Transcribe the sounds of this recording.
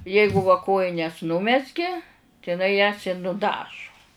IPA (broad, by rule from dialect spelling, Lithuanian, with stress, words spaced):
ˈjɛɪɡʊ ʋɐ ˈkoːjɪnʲɛs ˈnʊmʲɛzʲɡʲeː tɐɪ ɪˈnɐɪ jɛs ɪ nʊˈdɑːʒʊ